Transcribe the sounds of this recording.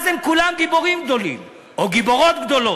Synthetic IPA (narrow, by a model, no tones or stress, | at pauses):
zemkulamɡibo̞ʁimɡd̪olḭm | oɡiboʁot̪ɡd̪o̞lo